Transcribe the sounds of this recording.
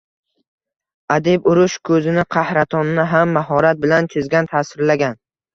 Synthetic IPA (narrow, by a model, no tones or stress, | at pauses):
ad̪ebʊɾʊʃkʰɵzɪnɪqʰɑhɾat̪ʰɒnnːɪɦamːaɦɒɾat̪̚bɪlant͡ʃʰɪzɡʲant̪ʰaːsɪɾlaɡʲan